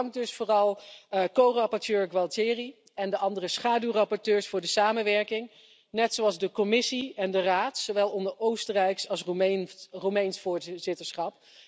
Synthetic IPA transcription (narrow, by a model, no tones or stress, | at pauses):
ŋkdɵsfoːrɑlˠkowrɑpɔɹtøːɹɡʋɑlˠtɪːri | ɛndəʔɑndərəsχaːdywrɑpɔɹtøːɹsfʊːɹdəsaːmənʋɛɹkɪŋ | nɛtsowɑlˠzdəkɔmɪsiɛndəraːtsowʋɛlˠɔndəowstərɛjksɑlˠs | romɛjnsfʊːɹzɪtəɹsχɑp